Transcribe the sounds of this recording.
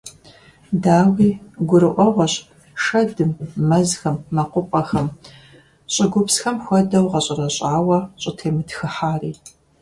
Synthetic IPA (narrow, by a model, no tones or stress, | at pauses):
daːwiːɡʷʊɾɨʔʷɔʁʷɔɕʼ | ʃɐdɨmːɐzxɐmːɐqʷʊpʼɐxɐm | ɕʼɪɡʷʊpsxɐmxʷɔdɐwʁɐɕʼɪrɐɕʼaːwɐɕʼɪtʰeːmɨtxɨħaːriː